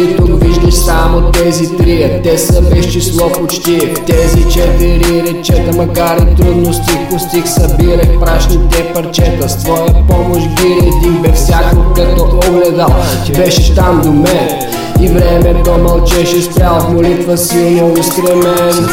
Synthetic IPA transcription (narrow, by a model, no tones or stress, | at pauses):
it̪oviʒd̪əʃsamot̪ːɛzit̪ɾijət̪ɛsɐbɛʃt͡ʃislˠɔpot͡ʃt̪iət̪ɛzit͡ʃɛt̪vɛɾiɾɛt͡ʃɛd̪ɐmɐkaɾit̪ːɾud̪nost̪ipost̪ixsɐbiɾəxpɾaʃnit̪ɛpɐɾt͡ʃɛt̪ɐst̪vɔjəpɔmoʃbiɾət̪ixbɛfsʲjakokɐt̪ɔoɡlɛd̪alˠ | bɛʃɛʃt̪amd̪ʊmɛ | ivɾɛmɛp̪ɔmɐlˠt͡ʃɛʃɛspɾʲjalˠt̪molit̪vəsilˠniʊskɾɛmɛn